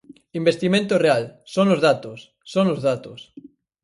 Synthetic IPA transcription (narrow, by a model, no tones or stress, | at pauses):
imbest̪imẽnt̪orealsonozðat̪osːonozð̞at̪os